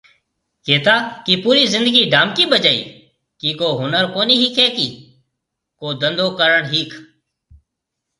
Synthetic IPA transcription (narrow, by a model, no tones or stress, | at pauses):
keːt̪aːkiːpuːɾiːzɪ̃nd̪əɡiːɖaːmkiːbəd͡ʒaːḭː | kiːkoːɦʊnəɾkoːniːɦiːkʰɛːkiː | koːd̪ə̃nd̪oːkəɾəɳɦiːkʰ